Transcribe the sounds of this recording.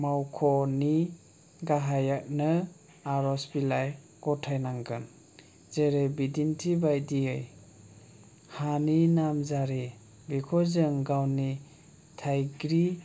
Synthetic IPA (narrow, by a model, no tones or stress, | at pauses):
mawkʰɔni | ɡaɦajak̚nɯ | aɾɔsbilaj | ɡɔtʰajnaŋɡɯn | zeɾebidintʰibajdiɯj | haninamzaɾi | bikʰɔzɯŋɡawni | tʰajɡɾi